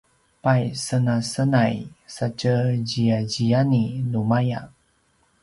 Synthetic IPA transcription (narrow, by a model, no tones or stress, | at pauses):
pajsənasənajsacəɟiaɟijaninumaja